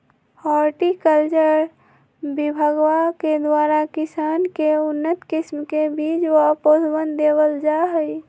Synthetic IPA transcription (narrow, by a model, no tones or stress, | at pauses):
ɔːɾʈikəlt͡ʃəɾ | bibʱəɡwaked̪waːɾakɪsaːnkeʊnːət̪kɪsmkebiːd͡ʒʋoɦpod̪bənd̪eːwəld͡ʒaɦəi